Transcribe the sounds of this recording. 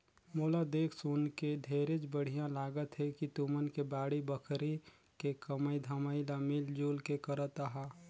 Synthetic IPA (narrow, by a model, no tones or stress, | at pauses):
moːlad̪eːkʰsunked̪ʱeːɾet͡ʃbəɽ̤ijãlaːɡət̪ɦɛkit̪umənkebaːɽibəkʰɾi | kekəməid̪ʱəmailamɪld͡ʒuːlkekəɾət̪aɦaː